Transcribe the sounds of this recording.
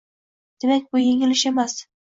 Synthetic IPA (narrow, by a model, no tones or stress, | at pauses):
d̪̥e̞mak̚ʲbʊje̞ŋɪlɪʃe̞mas